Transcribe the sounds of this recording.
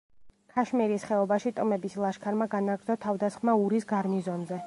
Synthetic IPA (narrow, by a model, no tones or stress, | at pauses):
kʰaʃmiɾisχɛɔbaʃit̪ʼɔmɛbislˠaʃkʰaɾmaɡanaɡɾd̪ɔt̪ʰavd̪asχmauɾisɡaɾmizɔnzɛ